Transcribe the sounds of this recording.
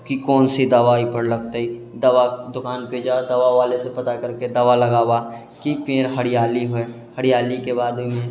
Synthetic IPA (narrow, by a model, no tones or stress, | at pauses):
kikɔːnsid̪ɐʋaːipəɾləɡt̪ai | d̪ɐʋad̪ʊkaːnpeːd͡ʒad̪ɐʋaʋaːlesepɐt̪akɐɾked̪ɐʋalɐɡaːwa | kipeːɾɦɐɽijaːliɦoe | həɽijaːlikebaːd̪mẽ